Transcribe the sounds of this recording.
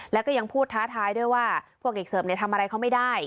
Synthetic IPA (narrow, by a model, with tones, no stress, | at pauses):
lɛ˦˥kɔː˥˩ja˧ŋpʰuː˥˩t̪ʰːaː˦˥t̪ʰaː˧˥jdu˥˩əjwaː˥˩pʰu˥˩ək̚de˨˩k̚sɤː˨˩˦mni˨˩ət̪ʰa˧mʔa˧ɾa˧jkʰa˦˥wma˥˩jdaː˥˩j